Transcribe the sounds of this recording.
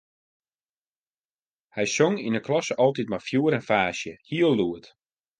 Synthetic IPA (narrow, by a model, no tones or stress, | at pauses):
hɛjsoŋinəklɔsəʔɔlˠtit̚mafjuəɾɛnfaːsjəhiəlˠːuət